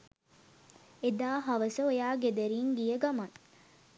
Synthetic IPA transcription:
ed̪aːɦɐʋɐsoejaːɡed̪eɾiːŋɡijeɡɐmɐŋ

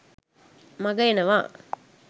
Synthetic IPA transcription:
mɐɡɐjenɐʋaː

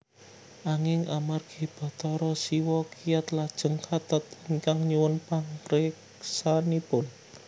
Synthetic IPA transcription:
ʔaŋɪŋʔamarɡ̥e̤b̥a̤t̪ɔɾɔsiwɔkijat̪lad̥ʒ̥ə̤ŋkʰat̪ət̪̚əŋkaŋɲuwʊnpaŋpɾek | sanipʊn

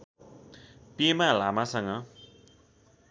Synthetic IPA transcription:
pemalamasʌŋʌ

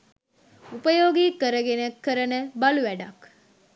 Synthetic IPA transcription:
upəjoːɡiːkəɾəɡenekːəɾənəbɐluʋæɖɐk

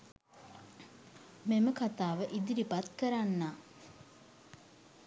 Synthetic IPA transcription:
meməkat̪aːʋəʔid̪iɾipat̪kəɾanːaː

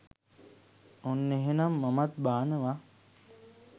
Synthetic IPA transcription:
onːeɦenamːamat̪baːnəʋa

